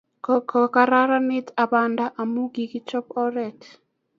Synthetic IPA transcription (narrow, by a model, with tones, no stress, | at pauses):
kɔkɔ˨ka˦ɾa˦ɾa˦nɪ˦ta˨ba˨nda˦ʔa˨mu˦ɡi˨ɡi˦t͡ʃɔ˦pɔ˦ɾɛ˨t